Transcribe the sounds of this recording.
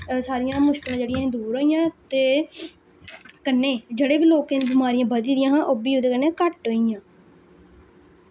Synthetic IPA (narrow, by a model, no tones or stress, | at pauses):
saːɾɪjãːmʊʃkɪlãːd͡ʒeːɽɪjãẽd̪uːɾɦoːijãːt̪eː | kənːeːd͡ʒeɽeːbiːloːkẽːniːbɪmaːɾijãːbəd̪iːd̪ɪjãːɦãːʔoːbiːoːd̪eːkənẽːkəʈɦoːijãː